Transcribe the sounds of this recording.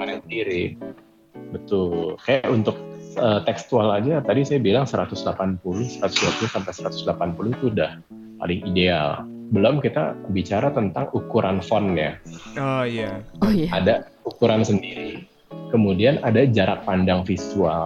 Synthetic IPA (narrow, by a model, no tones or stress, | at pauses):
manasədiɾi | bət̪ʊlkajaʔunt̪ʊk̚ət̪ɛkst̪ualad͡ʒat̪adisajabilaŋsəɾat̪ʊsdlapanpulʊhsəɾat̪ʊ̥sduapulʊsampajsəɾat̪ʊ̥sdlapanpulʊht̪udah | pa̰lɪŋidea̰l | bəlɔmkit̪a̰bit͡ʃaɾat̪ənt̪aŋukuɾʔanfɔnja̰ | jaada | ukuɾansəndiɾi | kəmudianadad͡ʒaɾak̚pandaŋfisual